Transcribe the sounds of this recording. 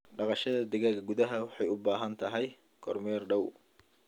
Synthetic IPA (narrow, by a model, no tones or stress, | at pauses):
ɖɑqɑʃɐðɐd̪ɛɣaːɡɐɡʊðɐɦɐwɑħɑjʊbaːɦɐnt̪ʰɐɦɛj | ɡ̥ʰɔ̰rmɛːrɖɐw